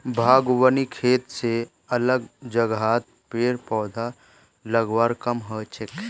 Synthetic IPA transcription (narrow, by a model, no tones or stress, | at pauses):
bʱaːɡwənikʰeːt̪se | ɐləɡd͡ʒəɡaːt̪̚ | peːɾpɔːd̪ʱa | ləɡwaːɾkəmɦət͡ʃɪk